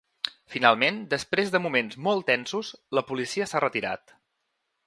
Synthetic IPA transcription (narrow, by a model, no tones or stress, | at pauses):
finalˠmend̪əspɾezðəmumenzmɔlˠt̪ɛnsusləpulisiəsarət̪iɾa̰t̪